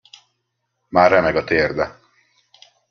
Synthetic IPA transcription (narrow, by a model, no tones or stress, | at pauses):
maːɾɛmɛɡɒt̪eːrd̪ɛ